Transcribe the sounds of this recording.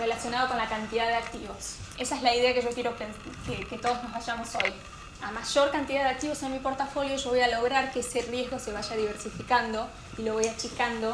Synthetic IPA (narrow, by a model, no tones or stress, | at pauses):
re̞lasjo̞naðoko̞nlakant̪iðaðeak̚t̪iβo̞se̞saezlaiðe̞akeʒo̞kjeɾo̞pen | keket̪o̞ð̞ozno̞zβaʒamo̞so̞j | amaʒo̞ɾkant̪iðaðeak̚t̪iβo̞senmipo̞ɾt̪afo̞ljo̞ʒo̞βo̞jalo̞ɣ̞ɾaɾkeeserje̞zɣo̞se̞β̞aʒaðiβeɾsifikand̪o̞ | ilo̞βo̞jat͡ʃikand̪o̞